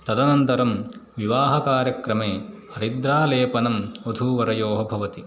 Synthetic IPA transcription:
t̪ɐd̪ɐnɐnt̪ɐɾɐmʋiʋaːɦɐkaːɾjɐkɾɐmeːhɐɾid̪ɾaːleːpɐnɐmod̪ʱuːʋɐɾɐjoːɦɐbʱɐʋɐt̪i

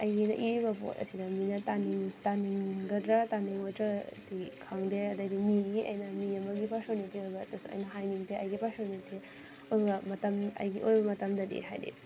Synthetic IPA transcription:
ɐjɡinɐ̰ʔiɾibɐpo̰tɐ̰sʰidɐminɐtaniŋtaniŋɡɐdɾataniŋɔtɾɐtikʰaŋdeɐdɐdimiɡiʔɐ̰jnɐmiɐmɐɡipasonitiojbɐtɐsɐ̰jnɐɦajniŋteɐjɡipasonitʰe | ojbɐmɐtɐmɐ̰jɡiʔojbɐmɐtɐmdɐdḛɦa̰jdḛ

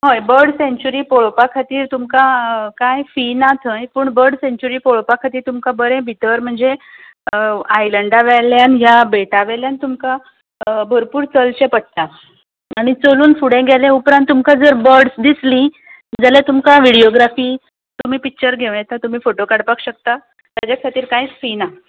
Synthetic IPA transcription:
ɦojbəɾɽsẽɲt͡ɕuɾiːpoɭopakʰat̪iːɾt̪umkakajfinat̪ʰə̃jpuːɳbəɾɽɖsẽɲt͡ɕuɾiːpoɭopakʰat̪iːɾt̪umkabəɾẽbʱit̪əɾm̤əɳd͡ze | ajləɳɖaʋɛljanɦjabeʈaʋɛljant̪umka | bʱəɾpuːɾt͡səlt͡ɕepəɽt̪a | aɽ̃it͡soluːnfuɽẽɡʱaljãupɾãnt̪ːumkad͡zəɾbəɽsd̪islĩ | d͡zalɛt̪umkãʋiɽijoɡɾafiː | t̪um̤iːpik̚t͡ɕəɾɡʱeʋjɛt̪at̪um̤iːfoʈokaɽpakɕək̚t̪a | t̪ad͡ʑakʰat̪iːɾkaifina

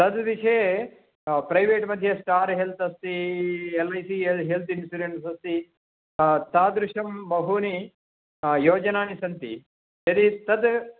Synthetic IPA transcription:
t̪ɐd̪ʋiʂɐje | pɾɐjʋeːʈmɐd̪ʱjɐsʈaːɾɦelt̪ɐst̪ielɐjsiːeɦelt̪insuɾeɳʈsɐst̪i | t̪aːd̪ɾuʂɐmbɐɦuni | joːd͡ʒɐnaːnisɐnt̪ḭ | ɐd̪it̪ɐd̪

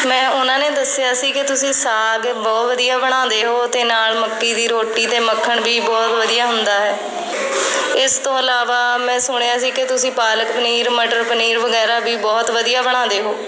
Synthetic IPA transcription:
mɛ̃ːʊnãːneːd̪əsːɪjaːsiːkɪt̪ʊsĩːsaːɡbɔːt̪ʋəd̪ijaːbəɽ̃ãːd̪eːɦoːt̪eːnaːlməkːiːd̪iːɾoːʈːiːt̪eːməkʰːəɳbʱiːbɔːt̪ʋəd̪ijaːɦʊnd̪aːɦɛː | ɪst̪õːəlaːʋaːmɛ̃ːsʊɽ̃jaːsiːkɪt̪ʊsĩːpaːləkpəniːɾməʈəɾpəniːɾʋəɡɛːɾaːbʱiːbɔːt̪ʋəd̪ijaːbəɽ̃ãːd̪eːɦoː

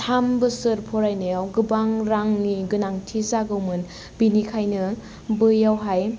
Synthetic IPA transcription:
tʰambɯsɯɾpʰɔɾajnɯjawɡɯbaŋɾaŋniɡɯnaŋtʰizaɡɯwmɯn | binikʰajnɯ | bɯjawɦaj

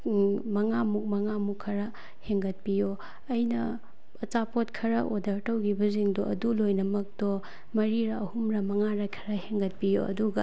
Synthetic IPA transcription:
mɐŋamuk̚mɐŋamukʰːɐɾɐ | heŋɡɐt̚pijo | ɐjnɐ | ɐt͡ʃapotkʰɐɾɐʔodɐɾtɐwɡibɐziŋdɔɐdulojnɐmɐk̚dɔ | mɐɾiɾɐɐhumɾɐmɐŋaɾajkʰɐɾɐheŋɡɐt̚pijo̰ɐ̰duɡɐ

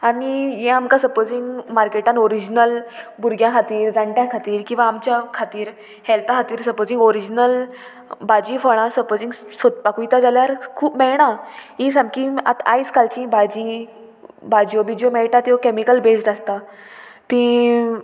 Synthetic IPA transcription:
aɽ̃ijẽamkasəɾpod͡ziŋɡmaɾkeʈãnoɾid͡ʑnəlbuɾɡjãkʰat̪iːɾd͡zaɳʈjãkʰat̪iːɾkĩw̃ʋaːmt͡ɕjakʰat̪iːɾ | hɛlt̪akat̪iːɾsəɾpod͡zĩŋɡoɾid͡ʑnəl | bad͡ʑĩfəɽ̃ãsəɾpod͡zĩŋɡsot̪̚pakujt̪ad͡zaljaɾkʰuːpmɛɭɳ̃aɦĩsãmkĩa̰t̪ʰa̰jskalt͡ɕĩbad͡ʑĩ | bad͡ʑjobid͡ʑjomeɭʈat̪iokemikəlbed͡ʑd͡zast̪at̪ĩ

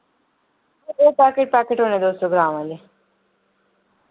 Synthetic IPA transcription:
oːpaːɾkeʈ̚paːkeʈɦoːnẽd̪oːsoɡɾãːmə̃le

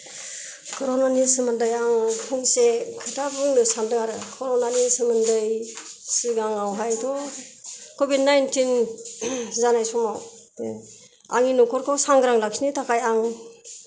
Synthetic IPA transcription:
kʰɔɾɔnanisɯmɯndajaŋkʰɯŋsekʰɯtabɯŋnɯsandɯaɾɯkʰɔɾɔnanisɯmɯndɯjsɯɡaŋawɦajdɔ | kɔbid̚najntin | zanajsɔmaw | a̰ŋinukʰɔɾkʰɔwsaŋɡɯɾaŋlak̚snitakʰajaŋ

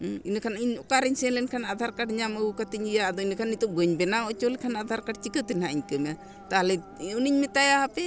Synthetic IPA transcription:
inkʰaniɲɔkaɾiɲsɛnlɛnkʰanad̪ʱaɾkaʈɲaməwkat̪iɲijad̪ɔinkʰanːit̪uɡəɲbɛnaot͡ʃolikʰanad̪ʱaɾkaʈ̚t͡ʃikət̪inhaʔiɲkəma | t̪aɦlɛ | uniɲmɛt̪ajaɦapɛ

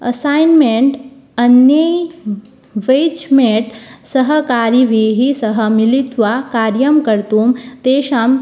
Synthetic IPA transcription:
ɐsaːjnmeɳʈ | ɐnjəj | ʋejt͡ʃmeʈsɐɦɐkaːɾiʋiːɦisɐɦəmilit̪ʋakaːɾjɐmkɐɾt̪uːmt̪eːʃaːm

